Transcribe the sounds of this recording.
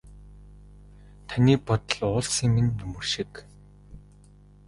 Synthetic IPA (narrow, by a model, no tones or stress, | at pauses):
t̪ʰaniːpɔt̪ɞ̆ɮʊːɮsiːŋminʲːɵmɵ̆rʃik